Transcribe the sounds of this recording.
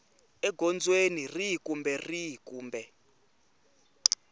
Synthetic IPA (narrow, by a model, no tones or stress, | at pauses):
ɛɡʱɔnd͡zwenirikumbɛrikuːmbɛ